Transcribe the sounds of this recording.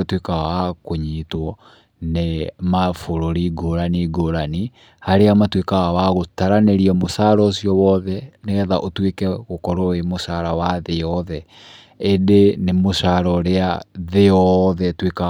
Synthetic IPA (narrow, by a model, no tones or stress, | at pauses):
twekaaakoɲitwɔ | nemafoɾoɾiɡoɾaniɡoɾani | haɾeamatwekaɣawaɣotaɾaneɾiɛmosaɾɔsiɔwɔðɛneɣɛðaʔotwekɛɣokɔɾoemosaɾawaðeɔðɛ | edenemoʃaɾɔɾeaðeɔðɛtweka